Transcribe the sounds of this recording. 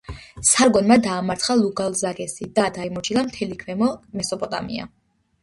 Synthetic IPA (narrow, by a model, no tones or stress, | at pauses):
saɾɡwɛnmad̪aːmaɾt̪ʰχalˠuɡalˠzakʼɛsid̪ad̪aimɔt͡ʃʰilˠamt̪ʰɛlikʰvɛmɔmɛsɔpʼɔt̪ʼa̰mḭa̰